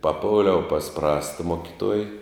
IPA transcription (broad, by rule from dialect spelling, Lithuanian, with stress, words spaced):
pɐˈpoːlʲɛʊ pɐs ˈprɑːstɐ ˈmoːkʲɪˌtuɔj